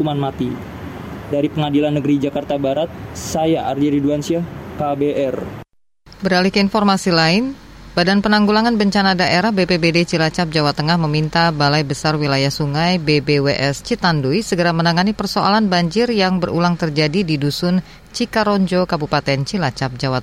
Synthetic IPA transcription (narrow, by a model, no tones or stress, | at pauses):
umanmat̪i | daɾipəŋadilanːəɡəɾid͡ʒakart̪abaɾat̪̚sajaʔardiɾiduansiahkabeʔɛr | bəɾalihkəinfɔrmasilaɪn | badanpənaŋɡulaŋanbəɲt͡ʃanadaʔeɾahbepebedet͡ʃilat͡ʃap̚d͡ʒawat̪əŋahməmint̪abalajbəsarwilajahsuŋajbebeweʔɛst͡ʃit̪andujsəɡəɾamənaŋanipərsoʔa̰lanbaɲd͡ʒɪrjaŋbərʔṵlaŋt̪ərd͡ʒadididusʊn | t͡ʃikaɾoɲd͡ʒokabupat̪ɛnt͡ʃilat͡ʃap̚d͡ʒawat̪